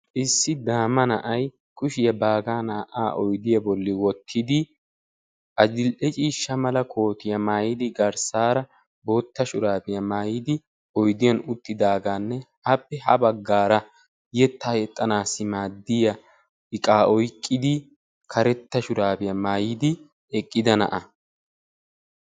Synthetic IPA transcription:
ʔɪsːɪd̪aːmːɐnɐʔɐj | kʰʼʊʃɪjɐbaːɡaːnaːʔa̰ːʔɔjd̪ɪjɐbɔlːɪwɔt̪ʰːɪd̪ɪ | ʔɐd͡ʒɪlʔɛt͡ʃʼiːʃːɐmɐlɐkʰo̞ːt̪ɪjɐmaːjɪd̪ɪɡɐɾsaːɾɐ | bo̞ːt̪ːɐʃʊɾaːbɪjɐmaːjɪd̪ɪ | ɔjd̪ɪjɐnʊt̪ʰʼːɪd̪aːɡaːnːɛʔɐpːɛɦɐbɐɡːaːɾɐ | jɛt̪ːaːjɛt̪ʼːɐnaːsːɪmaːd̪ːɪjɐ | ɪkʼaːɔjkʼːɪd̪ɪ | kʰɐɾɛt̪ːɐʃʊɾaːbɪjɐmaːjɪd̪ɪ | ɛkʼːɪd̪ɐnɐ̰ʔɐ

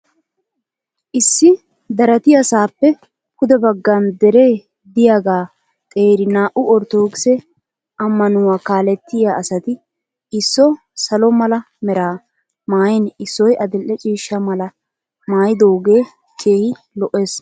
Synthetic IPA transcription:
ʔɪsːɪ | d̪ɐɾɐt̪ɪjɐsaːpːɛ | kʊd̪ɛbɐɡːɐnd̪ɛɾeː | d̪ɪjaːɡaː | t̪ʼe̞ːɾɪnaːʔʊɔɾt̪oːkɪsɛ | ʔɐmːɐnʊwaːkaːlɛt̪ːɪjaɐsɐt̪ɪ | ɪsːɔ | sɐlɔmɐlɐ | mɛɾaː | maːjɛnɪsːɔjɐd̪ɪlʔːɛt͡ʃʼiːʃːɐmɐlɐ | maːjɪd̪o̞ːɡe̞ː | keːhɪ | lɔʔːe̞ːs

